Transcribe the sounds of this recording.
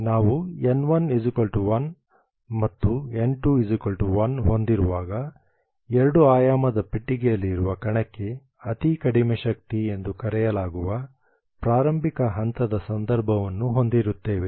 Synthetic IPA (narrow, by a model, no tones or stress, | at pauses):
naːʋuenʋɐnid͡ʒikɐlʈuʋɐn | mɐt̪ːue̞ɳʈuid͡ʒikɐlʈuʋɐnɦo̞nd̪iɾuʋaːɡɐ | ɛɾɐɽuaːjaːmɐd̪ɐpiʈːiɡejɐlːiːɾuʋɐkɐɳɐkːe̞ | ɐt̪ikɐɽimeʃɐk̚t̪ie̞nd̪ukɐɾɛjɐlaːɡuʋɐ | pɾaːɾɐmbʱikɐɦɐnt̪ɐd̪ɐsɐnd̪ɐɾbʱɐʋɐnːuɦo̞nd̪iɾut̪ːe̞ːʋe̞